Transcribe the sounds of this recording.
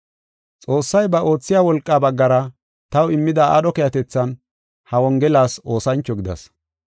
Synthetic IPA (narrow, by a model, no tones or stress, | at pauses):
t͡sʼo̞ːsːɐjbɐʔo̞ːt͡sːɪjaːwɔlkʼːaːbɐɡːɐɾɐ | t̪ɐwɪmːɪd̪aʔɐɗɔkɛjɐt̪ɛt͡sːɐn | hɐwɔŋɡɛlaːso̞ːsɐnt͡ʃːɔɡɪd̪ɐ̰s